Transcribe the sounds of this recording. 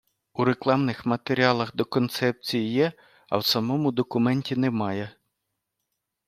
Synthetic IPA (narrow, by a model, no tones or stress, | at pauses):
uɾeklˠɑmnɪxmɐt̪eɾʲiɑlˠɐxd̪ɔkɔnt̪sɛp̚t͡sʲijijɛ | ɐ̰wsɐmɔmʊd̪ɔkʊmɛnʲtʲinemɑjɛ